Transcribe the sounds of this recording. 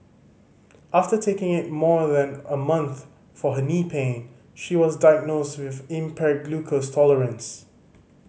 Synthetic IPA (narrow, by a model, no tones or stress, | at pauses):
ʔaftətʰekɪ̃ŋɪt̚mɔðɛ̃nəmʌ̃nθ | fɔɦənipʰẽn | ʃiwɔzdaɪəɡ̚nostwɪvɪ̃mpʰɛɡlukʰəstʰɔləɹə̃ns